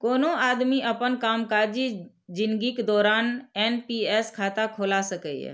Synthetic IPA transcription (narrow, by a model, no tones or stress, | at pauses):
koːnoaːd̪miʔəpənkaːmkad͡ʒi | d͡ʒɪ̃nɡiked̪ɔːɾaːnɛnpiɛskʰaːt̪akʰoːlasəkəiɛ̰